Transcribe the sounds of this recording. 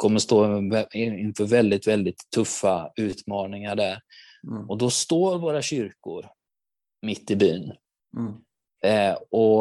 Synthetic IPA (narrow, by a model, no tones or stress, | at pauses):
kʰɔmːəʂt̪oːɛɪɪnfœɾvɛld̪ɪt̪vɛld̪ɪt̪ʰːɵfːaʉ̟ːt̪mɑːnɪŋaɖæɾ | ɔd̪ɔst̪oːɾvoːɾaɕʏɾkʊ̰ɾ | mɪt̪ːɪbyːn | ɔ